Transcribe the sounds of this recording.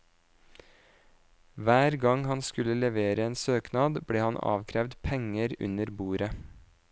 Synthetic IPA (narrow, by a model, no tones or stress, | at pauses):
ʋæːɾɡɑŋhɑnskʉləlɛʋeːɾəeːnsøːknɑːd̪bɽeːhɑnɑ̰ːʋkʰɾɛʋd̪pʰɛŋəɾʉ̰nəɾbuːɾə